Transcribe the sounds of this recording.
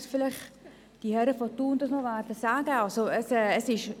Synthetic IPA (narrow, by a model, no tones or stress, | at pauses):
sfɪlɪχ | d̥ihɛɾəfɔtuːndɔsmɔvaɾtəsaːɡəalsoəsɛːəsɪʃ